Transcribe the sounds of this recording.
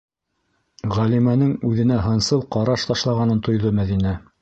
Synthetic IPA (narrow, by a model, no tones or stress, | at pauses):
ʁælimænɘŋʉðɘ̆næɦɤ̆nsɤw̪ˠqɑɾɑʃt̪ɑʃlˠɑʁɑnɤnt̪ŏjðɤmæðinæ